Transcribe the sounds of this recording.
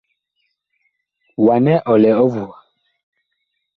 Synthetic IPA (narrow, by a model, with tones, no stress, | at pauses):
wa˨nɛ˦ʔɔ˨lɛ˨ɔ˦vu˨a˨